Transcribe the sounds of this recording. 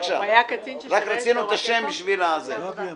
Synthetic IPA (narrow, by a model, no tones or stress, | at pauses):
ʃa̰ajakɾakɾet͡sinuet̪aʃembiʃvilaːze